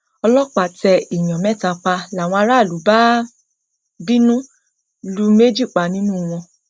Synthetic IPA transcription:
ɔ˧lɔ˦k͡pa˨tɛ˧i˨j̃ɔ̃˨mɛ̃˨˦˨ta˧k͡pa˧la˨w̃ɔ̃˧a˧ɾa˦˨lu˨˦ba˦ | bi˦nũ˦ | lu˦me˦d͡ʒi˦˨k͡pa˨˧nĩ˦nũ˦w̃ɔ̃˧

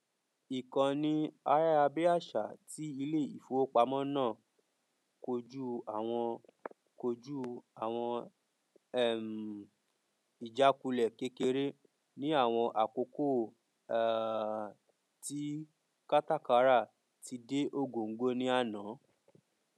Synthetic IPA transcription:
i˨kã˨nĩ˧a˧ɾa˦a˧be˦a˦˨ʃa˨ti˦i˧le˦˨i˨fo˨˦o˦k͡pa˧mɔ̃˦nãː˦˨ | ko˧d͡ʒu˦a˦˨w̃ɔ̃˧ | ko˧d͡ʒu˦a˨w̃ɔ̃˧˨ | m˨ | i˨d͡ʒa˨˦ku˧lɛ˨ke˦ke˧ɾe˦ | nĩ˦a˦˨w̃ɔ̃˧ʔa˨ko˧ko˦˨ | ti˦ | ka˦ta˦ka˧˦ɾa˦˨ | ti˧de˦ʔo˦ɡo˨ŋ̩˦ɡo˦nĩ˦a˦nã˨˦

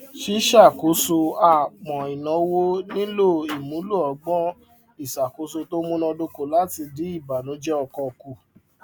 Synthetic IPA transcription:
ʃi˦ʃa˦˨ko˨˦so˧a˨k͡pɔ̃˨i˨nɔ̃˨˧wo˦nĩ˦lo˦˨i˨mũ˨˦lu˦˨ɔ˨˦ɡ͡bɔ˦ | i˦˨sa˨ko˨˦so˧to˦mũ˦nɔ̃˧do˧ko˦˨la˨˦ti˧di˨˦i˦˨ba˨nũ˨˦d͡ʒɛ˦ɔ˧kɔ˧ku˦˨

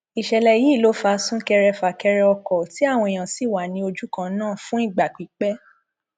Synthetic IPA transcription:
i˨ʃɛ˨lɛ˨ji˨˦˨lo˨˦fa˧sũ˦kɛ˧ɾɛ˧fa˨kɛ˧ɾɛ˧ɔ˧kɔ˨ti˨˦a˦˨w̃ɔ̃˧e˨j̃ã˨si˨wa˨nĩ˧˦o˧d͡ʒu˦kã˧˦nãː˦˨fũ˦i˦˨ɡ͡ba˨k͡pi˨˦k͡pɛ˦

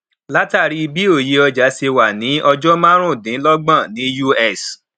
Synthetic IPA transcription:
la˦ta˦˨ɾi˨˦i˧bi˦o˦˨je˧ɔ˧d͡ʒa˨˦se˧wa˨nĩ˨˦ɔ˧d͡ʒɔ˦mã˦ɾ̃ũ˦˨dĩ˨˦lɔ˦ɡ͡bã˦˨nĩ˨˦ju˦ɛ˦˨s

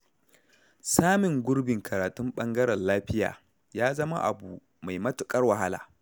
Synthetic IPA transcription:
saː˦mɪ˨ŋɡʷʊ˦ɾbɪ˨ŋkʰɐ˨ɾaː˨tʊ˦mɓɐ˦ŋɡɐ˦ɾɐ˨nlaː˦ɸɪ˦ja̰ː˨ | jaː˦zɐ˦ma̰˦ʔa̰˨buː˨ | ma˨jmɐ˦tʊ˨kʼɐ˦rwɐ˨ɦa˦la̰ː˨

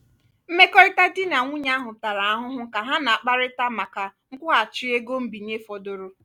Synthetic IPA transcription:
m̩˦me˦kɔ˦ɪ˦ta˦dɪ˦na˨ŋʷʊ˦ɲa˦ɦʊ˨ta˨ɾa˨a˦ɦʊ˦ɦʊ˦ka˨ɦa˦na˨a˨k͡pa˦ɾɪ˦ta˦ma˨ka˨ŋ̩˦kʷʊ˦ɦa˨t͡ʃi˦e˦ɡo˦m̩˦bi˨n˦e˦fɔ˨do˨ɾo˦

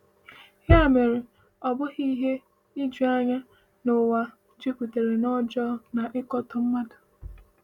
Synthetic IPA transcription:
hɪ˦a˨me˨ɾe˨ | ɔ˨bʊ˦ɣi˦ɦe˦ | i˦d͡ʒu˨˦a˦ɲa˦ | nʊ˨wa˨ | d͡ʒi˦kʷu˨te˨ɾe˨nɔ˦d͡ʒɔ˦na˨ʔɪ˦kɔ˦tʊ˨m̩˦ma˦dʊ˨

